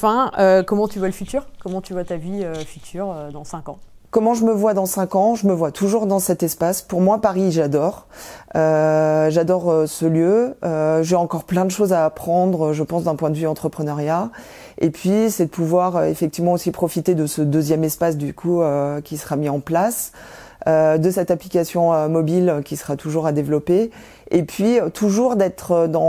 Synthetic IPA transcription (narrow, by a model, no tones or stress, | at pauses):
fɛ̃økɔmɑ̃t̪yvwaləfyt̪yːʁkɔmɑ̃t̪yvwat̪aviøfyt̪ʰyːʁød̪ɑ̃sɛ̃kɑ̃ | kɔmɑ̃ʒəməvwad̪ɑ̃sɛ̃kɑ̃ʒəməvwat̪ʰuʒuʁd̪ɑ̃sɛt̪ɛspaspuʁmwapaʁiʒad̪ɔːʁøʒad̪ɔʁøsəljøøʒeɑ̃kɔʁplɛ̃d̪əʃozaːpχɑ̃d̪ʁøʒəpɑ̃sd̪ɛ̃pwɛ̃d̪əvyɑ̃t̪χəpχənœʁja | epʰɥisɛd̪əpuvwaʁøefɛk̚t̪ivmɑ̃osipχɔfit̪ed̪əsəd̪øzjɛmɛspas̬d̪ykʰuøkʲisə̥ʁamiɑ̃plas | ød̪əsɛt̪aplikʲasjɔ̃ømɔbilkʲisə̥ʁat̪uʒuʁad̪evlɔpe | epɥiøt̪ʰuʒuʁd̪ɛt̪χəd̪ɑ̃